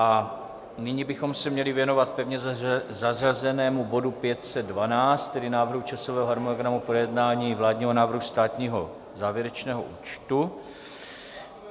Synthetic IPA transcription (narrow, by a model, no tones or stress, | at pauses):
ʔa | nɪɲibɪxo̞msɛmɲɛlɪvjɛnovat̪̚pɛvɲɛzazrazɛnɛːmubo̞dupjɛt̪sɛd̪̚dvanaːt͡st̪t̪ːɛdɪnaːvr̩ɦut͡ʃasovɛːɦoɦaɾmonoɡɾamupɾojɛdnaːɲiːvlaːdɲiːɦonaːvrɦust̪aːt̪ɲiːɦo̞ | zaːvjɛɾɛt͡ʃnɛːɦo̰ʔuːt͡ʃt̪u